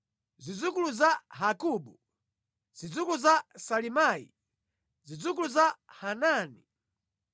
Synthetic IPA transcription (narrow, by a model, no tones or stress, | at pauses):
zid͡zukuluzaɦakuɓu | z̥id͡zukuluzasalimaːḭ | zid͡zuk̬uluzahanaːni